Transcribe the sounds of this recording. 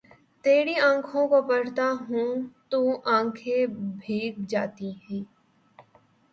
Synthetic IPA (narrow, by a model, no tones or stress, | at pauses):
t̪eːɾiãːkʰõkopɐɽ̤t̪aɦũt̪uʔãːkʰebʱeːɡd͡ʒaːt̪iɦɛː